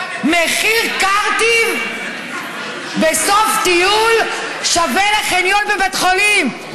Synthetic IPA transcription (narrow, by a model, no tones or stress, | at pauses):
meχiʁkaʁt̪i | besoft̪ijul | ʃaveleχenjonvevet̪χolim